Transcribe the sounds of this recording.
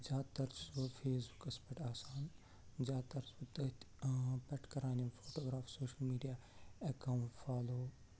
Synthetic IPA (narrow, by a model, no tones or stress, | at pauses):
zaːt̪ɐɾt͡ʃsʋofʰeːsbukɐspɐʈaːsaːn | zaːt̪ɐɾsʋɐt̪ɐt̪ | pɐʈkɐɾaːnjɐmfoːʈoːɡɾaːfsoːʃəlmiːɖijaːɐkaːuʈfaːloː